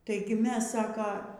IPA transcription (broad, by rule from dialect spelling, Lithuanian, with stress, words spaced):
ˈtɐɪɡʲɪ ˈmʲɛs ˈsɑːkɐ